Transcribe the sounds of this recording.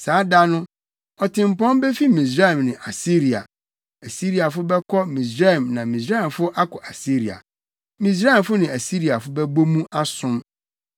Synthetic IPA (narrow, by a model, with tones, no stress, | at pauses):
saː˨˦da˦nʊ̃˦ | ɔ˨tʰɪ̃˨m˨pɔ̃˦mbe˦fi˦mĩ˨s̬ɾa˦ɛ˨mnɪ̃˨ʔa˨si˦ɾi˨a̰˨ | æ˨si˦ɾi˨a˨fʊ˦bɛ˦kʰɔ˦mĩ˨sɾa˦ɛ˨mnã˨mĩ˨s̬ɾa˦ɛ˨mfʊ˦ʔa˦kʰɔ˨ʔa˨si˦ɾi˨a̰˨ | mĩ˨s̬ɾa˦ɛ˨mfʊ˦nɪ̃˨æ˨si˦ɾi˨a˨fʊ˦bɛ˦bo˦mũ˦ʔa˦sʊ̃˦m